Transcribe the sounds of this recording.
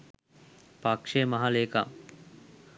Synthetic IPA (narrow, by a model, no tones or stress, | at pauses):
pakʂemaɦaleːkam